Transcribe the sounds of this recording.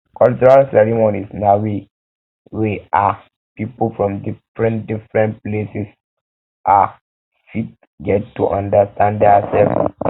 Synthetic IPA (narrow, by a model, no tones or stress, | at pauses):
kɔlt͡ʃuɹalsɛɹimonisnawi | wia | pipulfɹɔ̃mdifɹɛ̃ndifɹɛ̃ntplesis | ʔa | fit̚ | ɡɛttːṵʔãndastãnddɛasɛl